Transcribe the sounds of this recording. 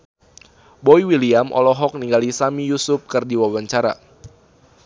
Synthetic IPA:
boiwiliamʔɔ̰lɔɦɔk̚niŋɡalisamijusʊp̚kɨrdiwawaɲt͡ʃaɾa̰

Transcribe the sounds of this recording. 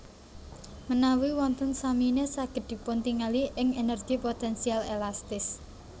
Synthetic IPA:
mənawiwɔnt̪ɔnsaminesaɡ̥ə̤t̪̚d̪̥i̤pʊnt̪iŋaliʔɪŋenɛrɡ̥ipot̪ɛnsialelast̪ɪs

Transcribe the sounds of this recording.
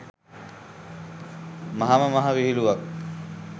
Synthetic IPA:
mɐɦaməmɐɦaʋiɦiluʋak̚

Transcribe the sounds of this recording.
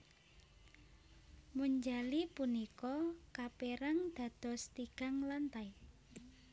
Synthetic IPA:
muɲd͡ʒalipunikɔkapeɾaŋd̪̥ä̤d̪̥ɔ̤st̪iɡ̥a̤ŋlant̪aj

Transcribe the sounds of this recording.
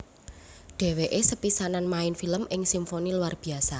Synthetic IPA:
ɖ̥e̤weʔesəpisananmaɪnfiləmʔɪŋsimfoniluwarb̥i̤asa

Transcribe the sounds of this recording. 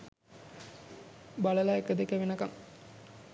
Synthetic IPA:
balɐlaekəd̪ekeʋenɐkɐŋ

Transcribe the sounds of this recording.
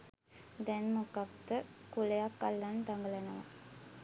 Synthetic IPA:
d̪ɛnmokapt̪əkulejakːalːant̪aŋɡəlenəʋa̰

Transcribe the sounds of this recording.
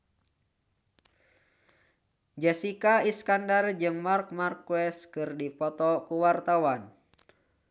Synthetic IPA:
d͡ʒɛsikaiskandard͡ʒɨŋmark̚markwɛskɨrdipɔt̪ɔkuwart̪awan

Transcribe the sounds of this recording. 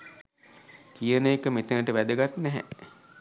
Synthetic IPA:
kijənəekəmet̪unəʈəʋæd̪əɡat̪nɛɦɛ̰

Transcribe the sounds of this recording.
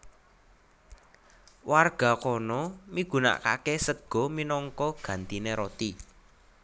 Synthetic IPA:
warɡ̥a̤kɔnɔmiɡ̥ṳna̰ʔka̰kesəɡ̥ɔ̤minɔŋkɔɡ̥ä̤nt̪ineɾɔt̪i

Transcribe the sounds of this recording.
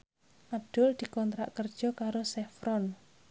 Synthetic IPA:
ʔab̚d̪̥ʊld̪̥i̤kɔnt̪ɾa̰ʔkərd̥ʒ̥ɔ̤kaɾosɛfɾɔn

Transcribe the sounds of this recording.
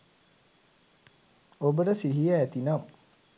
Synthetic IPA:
obəʈəsiɦijaːt̪inam

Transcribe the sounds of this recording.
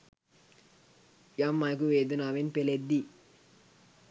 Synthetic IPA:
jamːajk̬uʋeːd̪unaʋenpeled̪i

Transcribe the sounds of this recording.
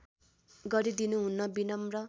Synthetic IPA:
ɡʌɾid̪inuɦunːʌbinʌmrʌ

